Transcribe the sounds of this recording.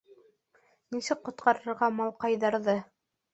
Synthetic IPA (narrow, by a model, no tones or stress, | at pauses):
nisɘk̚qːŏt̪̚qɑɾɤ̆ɾʁɑmɑlˠqɑjðɑɾðɤ